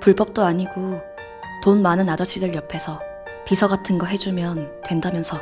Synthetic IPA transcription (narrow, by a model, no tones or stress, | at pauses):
puɭbʌp̚t͈oaɲiɡo | tonmanɯnad͡ʑʌt͡ɕʰidɯɭjʌpʰe̞sʰʌ | pisʰʌɡatʰɯnɡʌɦe̞d͡ʑumjʌntwe̞ndamjʌnsʰʌ